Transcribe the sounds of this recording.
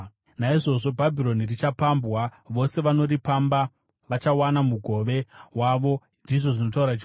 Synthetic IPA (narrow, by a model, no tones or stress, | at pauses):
naiʐo̞ʐo̞bʱabʱiɾo̞nirit͡ʃapambwaʋo̞se̞ʋano̞ɾipamba | ʋat͡ʃawanamuɡʱo̞ʋe̞waʋo̞ | ndiʐo̞ʐino̞tauɾat͡ʃ